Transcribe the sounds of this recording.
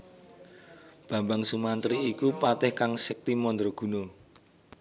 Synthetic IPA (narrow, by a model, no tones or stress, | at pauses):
b̥ä̤mbaŋsumant̪ɾiːkupat̪ɛhkaŋsək̚t̪imɔnd̪ɾoɡ̥ṳno